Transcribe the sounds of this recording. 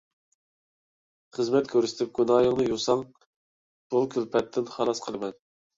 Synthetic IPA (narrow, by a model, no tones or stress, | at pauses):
χəzmɛt̪kʲʰøɾsɪ̥t̪ʰɪp̚ɡʲunɑːjəŋnɨjusɑŋ | ʃolˠkʲʰylpʰɛt̪ʰːɪnχɑlˠɑsqʰəlˠɨmɛn